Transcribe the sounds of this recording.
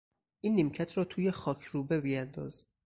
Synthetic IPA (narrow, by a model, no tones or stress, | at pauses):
ʔiːnːimcʰæt̪ʰɾɒːt̪ʰuːjexɒːcʰɾuːbebijænd̪ɒ̰ːz